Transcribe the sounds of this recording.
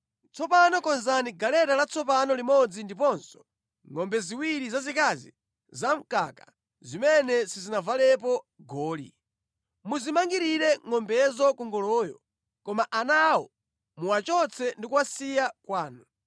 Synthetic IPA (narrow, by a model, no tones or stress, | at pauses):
t͡sɔpanɔkɔnzaniɡalɛɾalat͡sʰɔpanɔlimɔd͡zindip̬ɔnsɔ̥ | ŋɔmbɛziwiɾizazikazḭ | zaŋ̩kaka | zimɛnɛsizinavalɛpɔ | ɡɔːlḭ | muzimaŋɡiɾiɾɛŋɔmbɛzɔkuŋɡɔlɔːjɔ̰ | kɔmaʔanawɔ | muwat͡ʃɔt͡sʰɛndikuwasijakwaːnu